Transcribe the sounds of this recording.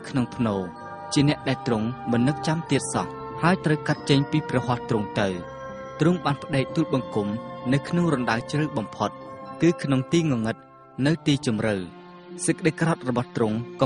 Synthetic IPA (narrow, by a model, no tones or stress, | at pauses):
kʰnoŋpʰnoː | t͡ɕiənɛ̆əʔɗaɛlt̪rʊŋmɨnːɨp̚t͡ɕamt̪iət̪̚sɑ̰h | haəjt̪rəwkat̪̚t͡ɕəɲpiːprɑɦŏht̪rʊŋt̪ɨw | t̪rʊŋɓaːnpʰə̆ɗɛːk̚t̪uːl̚ɓɑŋkumnɨwkʰnoŋrɑnɗat͡ɕrɨwɓɑmpʰot̪̚kɨːkʰnoŋt̪iːŋɨŋɨt̪̚ | nɨwt̪iːt͡ɕumrɨw | səkːə̆ɗejkrɑt̪̚rɔɓɑht̪rʊŋk